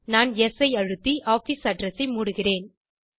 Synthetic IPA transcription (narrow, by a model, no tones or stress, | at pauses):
naːnɛsɐɪɐɻɯt̪ːiʔaːfisɐɖrɐsɐɪmuːɽɯɣɪreːn